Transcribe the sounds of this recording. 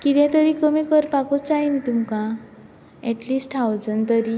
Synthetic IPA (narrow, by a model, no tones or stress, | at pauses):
kit̪ɛ̃t̪əɾikəmikəɾpakot͡saɦinit̪umkã | ɛʈlisʈʰawd͡zənt̪əɾi